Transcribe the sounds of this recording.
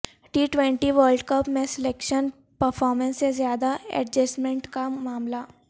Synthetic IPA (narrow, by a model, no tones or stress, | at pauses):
ʈiːʈʋẽɳʈiʋəːɾlɖkəpmẽsɪlekʃən | pəɾfʰɔːɾmə̃nsezjaːd̪aɛ̰ʈd͡ʒəsmẽɳʈkamaːmla